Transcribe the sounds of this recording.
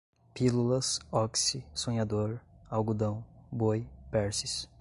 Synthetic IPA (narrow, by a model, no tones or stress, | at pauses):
pilulɐsɔksisõɲad̪oɾawɡud̪ɐ̃w̃bojpɛɾsis